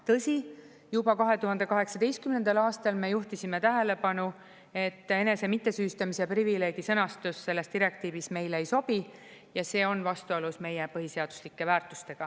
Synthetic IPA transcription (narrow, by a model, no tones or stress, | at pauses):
t̪ɤsʲi | jubɑkɑɦe̞t̪uhɦɑnd̪̥e̞kɑɦe̞ksɑd̪e̞jst̪kymnend̪̥ɑlɑːst̪ɑlme̞juht̪isime̞t̪æɦe̞le̞pɑnu | e̞t̪ːˑe̞ne̞se̞mit̪ːe̞syːst̪ɑmiseprivile̞ːɡ̥isɤnɑst̪usːe̞lːe̞st̪iɾe̞k̚t̪iːvisme̞jleejso̞bi | jɑse̞ːo̞nvɑst̪uolusme̞jepɤɦise̞ɑd̪̥u̥slikːe̞væːɾt̪ˑust̪e̞ɡ̥ɑ